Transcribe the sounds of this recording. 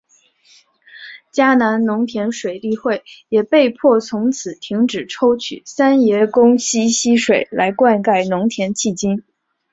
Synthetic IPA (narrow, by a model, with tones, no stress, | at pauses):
t͡ɕja˥na˧˥nnʊ˧˥ŋt̪ʰjɛ˧˥nʂwe˨˩ɪt̪i˥˧xwe˥˩ɪjɛ˨˩pe˥˧ɪpʰwɔ˥˩t͡sʰʊ˧˥ŋt͡sʰɹ̩˨˩t̪ʰi˧˥ŋʈ͡ʂɻ̩˨˩ʈ͡ʂʰo˥ʊt͡ɕʰy̰˨˩sa˥njɛ˧˥kʊ˥ŋɕi˥ɕi˥ʂwe˨˩ɪla˧˥ɪkwa˥˧nka˥˩ɪnʊ˧˥ŋt̪ʰjɛ˧˥nt͡ɕʰi˥˩t͡ɕi˥n